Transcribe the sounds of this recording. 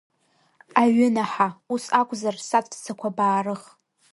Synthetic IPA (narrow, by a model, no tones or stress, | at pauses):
aɥʏnaħausakʷʼzarsatʼpʰt͡sʰakʷʰabaːrɨχ